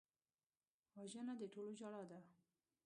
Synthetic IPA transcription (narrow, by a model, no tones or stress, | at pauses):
wɑʒənad̪əʈolod͡ʒaɽɑd̪a